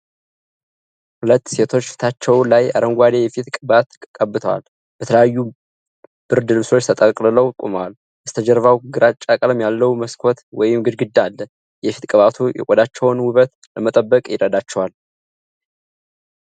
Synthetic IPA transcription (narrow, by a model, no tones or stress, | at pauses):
hulət̪ːse̞t̪ʰo̞t͡ʃːft̪ʰat͡ʃːɛwlaja̰ɾəŋɡʷad̪ejɛfit̪kʼɨbat̪kʼkʼəbːɨt̪ʰəwa̰l | b̥ət̪ʰələjajːu | b̥ɨɾd̪ɨlso̞t͡ʃːt̪ʰət̪ʼəkʼlɨləwkʼṵməwal | bəst̪ʰəd͡ʒɛɾvawɡɨɾat͡ʃʼakʼləmjalːəwməskʰoɔt̪wɔjɪmɡɨd̪ɡɨd̪ːalːə | jɛfit̪kʼɨβat̪ʰujʔɛ̰kʼɔd̪at͡ʃːɛwnwʊβət̪ | ləmət̪ʼəbːəkʼjɪɾəd̪at͡ʃːɛwal